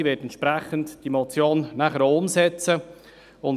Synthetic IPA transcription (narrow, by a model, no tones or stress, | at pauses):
ʋeːtɛnt̪t͡ʃʃpɾæχəntd̥imot͡sjoːnnæχəɾʊmsɛt͡sə | ʊn